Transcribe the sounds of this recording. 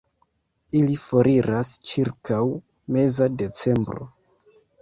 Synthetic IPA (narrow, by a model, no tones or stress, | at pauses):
ilifoɾʔiɾast͡ʃiɾkʰaw | me̞zade̞t͡se̞mbɾo̞̰